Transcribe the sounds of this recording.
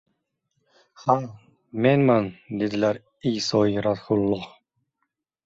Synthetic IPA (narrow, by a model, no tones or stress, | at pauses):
ha | menmand̪ed̪ɪlaɾ | ijsɒiɾat̪hulˠːɔh